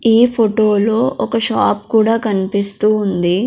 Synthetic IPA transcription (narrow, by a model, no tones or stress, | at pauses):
iːpʰoʈoːlo̞ːʔɔkɐʃaːpkuːɽaːkɐnipist̪uːnd̪i